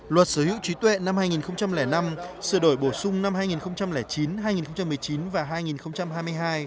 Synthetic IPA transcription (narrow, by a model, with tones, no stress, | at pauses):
lwə˨˩t̚sə˨˧˦hḭ˧˥wt͡ɕwi˨˦t̪wḛ˧˨nːa˧mhaː˧jŋi˨˩nxə˧wŋ͡mt͡ɕa˧mlɛː˧˩na˧msɨ˧˩əɗo˧˩jɓo˧˩sʊ˧ŋ͡mna˧mhaː˧jŋi˨˩nxə˧wŋ͡mt͡ɕa˧mlɛː˧˩t͡ɕi˨˦nɦaː˧jŋi˨˩nxə˧wŋ͡mt͡ɕa˧mɨ˨˩jt͡ɕi˨˦nvaː˨˩ɦaː˧jŋi˨˩nxə˧wŋ͡mt͡ɕa˧mɦaː˧jm˧jɦaː˧j